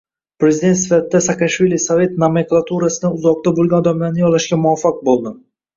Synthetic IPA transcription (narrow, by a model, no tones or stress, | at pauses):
pɾe̞zid̪e̞t̪sɪfat̪ɪd̪asakaʃvilisove̞t̪nameklˠat̪ʰuɾasɪd̪aʊzɒq̚t̪abolˠɡʲanɔd̪amlaɾnɪjɒlaʃɡʲamʊafːaq̚bolˠd̪ɪ